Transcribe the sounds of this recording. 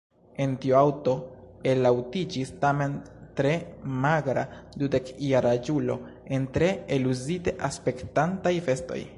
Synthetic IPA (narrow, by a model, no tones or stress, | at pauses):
e̞ntioawto̞elawtid͡ʒistame̞ntɾe̞maɡɾadude̞kjaɾad͡ʒulo̞̰e̞ntɾe̞eluzite̞ʔaspe̞ktantajfe̞sto̞̰j